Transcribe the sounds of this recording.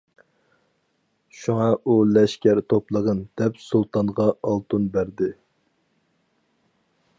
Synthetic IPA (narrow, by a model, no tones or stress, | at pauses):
ʃuŋɑʔulɛʃkʲæɾt̪ʰoplˠəʁənd̪̥ɛpsulˠt̪ɑnʁɑɑlˠt̪unbæɾd̪ɪ